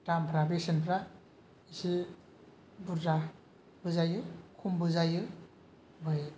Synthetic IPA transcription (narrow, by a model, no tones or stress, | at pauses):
tampʰɾabesinpʰɾa | isi | buɾza | bɯzajɯkʰumbɯzajɯ | bɯj